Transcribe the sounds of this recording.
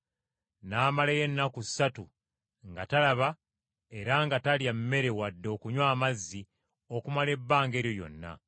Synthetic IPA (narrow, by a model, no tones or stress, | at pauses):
naːmalejenːakusatu | ŋɡatalaβa | e̞ɾaŋɡataljammːe̞ɾe̞wadːo̞ːkuɲwaːmazːi | o̞kumale̞bːaːŋɡe̞ːɾjojo̞̰nːa̰